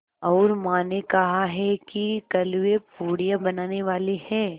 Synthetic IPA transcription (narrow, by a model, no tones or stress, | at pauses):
ɔːɾmaːnekɐɦaɦɛkikɐluwepuːɽijabɐnaːneʋaːlehɛ̃ː